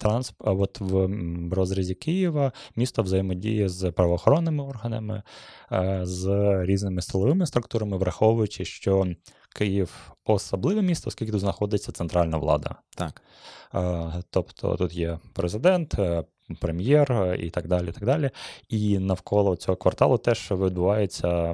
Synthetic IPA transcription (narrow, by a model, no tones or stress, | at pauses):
t̪ɾɑnsɔt̪ʋɾɔzɾʲɐzʲikɪjiʋɐmʲist̪ɔʋzɐjɪmɔdʲḭjizpɾɐʋɔːxɔɾɔnːɪmɪɔrɦɐnɐmɪ̰ | zɾʲiznɪmɪsɪlˠɔʋɪmɪst̪ɾʊk̚t̪uɾɐmɪʋɾɐxɔwʋʊjʊt͡ʃɪʃt͡ʃɔ | kɪjiwɔsɔblˠɪʋɛmʲist̪ɐɔskʲilʲkʲɪt̪udznɐxɔd̪ɪt͡sʲːɐt̪sent̪ɾɑlʲnɐʋlˠɑ̰d̪ɐ̰t̪ | t̪ɔpt̪ʰɔ̰t̪ut̪jɛpɾezɪd̪ɛnt̪ | pɾemʲjɛrḭt̪ɑɡ̚d̪ɑlʲiit̪ɑɡd̪ɑlʲiinɐwkʰɔlˠɔt͡sʲɔɦɔkʋɐrt̪ɑlˠʊt̪ɛʃʋʲid̪bʊʋɑjet͡sʲːɐ